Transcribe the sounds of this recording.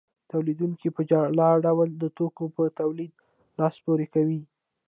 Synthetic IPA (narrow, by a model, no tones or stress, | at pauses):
t̪awlid̪uŋkipəd͡ʒɑlɑɖawəld̪ət̪okopət̪awlid̪̚ | lɑspoɾekawi